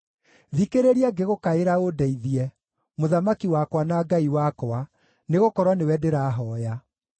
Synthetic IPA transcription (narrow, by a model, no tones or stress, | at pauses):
ðikeɾeɾiaɡeɣokaeɾaodɛiðiɛ | moðamakiwakwanaɡaiwakwa | neɣokɔɾwanewɛdeɾaɦɔːja